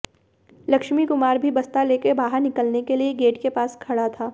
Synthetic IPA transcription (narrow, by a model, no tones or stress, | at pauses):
lɐkʃmikʊmaːɾbʱibɐst̪aleːkebaːɦəɾnɪkəlnekelieɡeːʈkepaːskʰɐɽat̪ʰaː